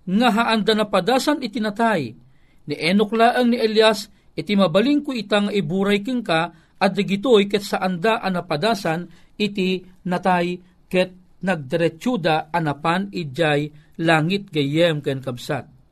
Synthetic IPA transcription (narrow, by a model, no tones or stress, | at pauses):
ŋaɦaʔand̪anapad̪aːsanit̪inat̪aj | niʔɛnoklaːʔəŋniʔɛljas | ɪt̪imabaliŋkʊit̪aŋaʔibuːɾajkɨŋka | ʔad̪ɐɡɪt̪ojk̬ɛt̪saʔand̪aʔanapad̪aːsanɪt̪inɐt̪aj | kɛt̪̚ | naɡ̚d̪ɛɾɛt͡ʃud̪aanapanid͡ʒajlaːŋit̪̚ɡɐjɛmkɛnkɐbsat̪̚